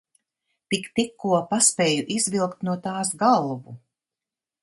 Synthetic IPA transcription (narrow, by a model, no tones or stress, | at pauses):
t̪ikt̪ikːuɔpaspʲɛːjuʔizvilˠkt̪nuɔt̪aːsɡalˠvu